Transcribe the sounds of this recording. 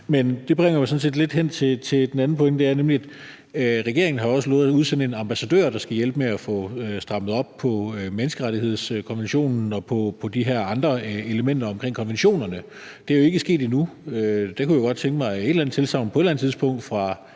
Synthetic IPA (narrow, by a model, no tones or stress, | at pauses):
mend̥e̝b̥ʁeŋ̰ɐmɑ̈sɒ̽n̩se̝̰ːd̥le̝d̥ɦen̰t͡sʰe̝t͡sʰe̝d̥enæn̩pʰɒ̽eŋɡ̥d̥e̝æɐnemliæd̥ | ʁɛɡ̥e̝ɐeŋn̩ɦɑ̈ɒ̽səlɔ̰ːð̩ˠuð̞ˠsen̰dəe̝nɑ̈mb̥æsæd̥ø̰ːɐ̰d̥ɑ̈sɡ̥æjel̰b̥əmeæfɔ̰̽sd̥ʁɑ̈məð̞̩ˠɒ̽b̥̚pʰɒ̽menəsɡ̥əʁaɾihe̝ð̞̰ˠskʰɒ̽nʋenɕo̝̰ːnn̩ɒ̽pʰɒ̽pʰɒ̽d̥iɦæɐ̰ɑ̈nd̥ʁɐe̝ləmen̰d̥ɐɒ̽mkʰʁeŋ̰kʰɒ̽nʋenɕo̝̰ːnɐnə | d̥e̝æjo̝e̝ɡ̥əsɡ̥e̝̰ːdinuød̥ɑ̈kʰujaɡ̥ɒ̽d̥̚t͡sʰeŋɡ̥əmɑ̈ɪe̝d̥lænət͡sʰe̝lsɑ̈ʊn̩pʰɒ̽e̝d̥læn̩t͡sʰiðˠsb̥ɔ̽ŋ̰d̥fʁɑ̈